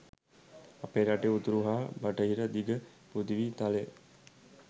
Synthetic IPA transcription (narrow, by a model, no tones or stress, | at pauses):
apeɾaʈeut̪uɾuɦaːbəʈəɦiɾəd̪iɡə | pud̪iʋiːt̪ale